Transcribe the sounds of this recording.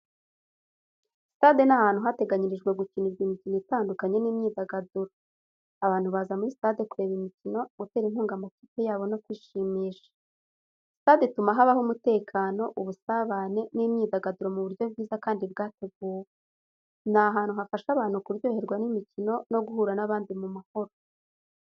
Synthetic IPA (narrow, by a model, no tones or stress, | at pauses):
si̥taːde̞nahaːnhuɦate̞ɡaɲiɾiʒɡwe̞ɡuciniɾɡimicinoitaːndukaɲe̞niːmɲiːdaɡaduɾo | aβaːn̥huβazamuɾistade̞kuɾe̞βimicino̞ɡuteɾinhuːŋɡamatiːpejaːβo̞no̞kwiːʃiːmiːʃḁ | staːdetumaɦaβahomute̞ːkʰaːno̞ʔuβusaβane̞nimɲiːdaɡaduɾo̞muβuɾjo̞bɡiːzakaːndibɡaːte̞ɡ̚uːwe | naɦaːn̥huɦafaʃaβaːn̥hukuɾɟo̞ːhe̞ɾɡwanimicino̞no̞ɡuhuːɾanaβaːndimumaho̞ɾo